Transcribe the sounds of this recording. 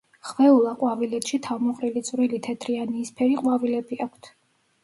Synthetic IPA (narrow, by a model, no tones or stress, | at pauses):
χvɛulˠaqʼwavilɛt̪ʃit̪ʰavmɔχʼɾilit̪sʼvɾilit̪ʰɛt̪ʰɾianiːspʰɛɾiqʼwavilɛbiakʷʰt̪ʰ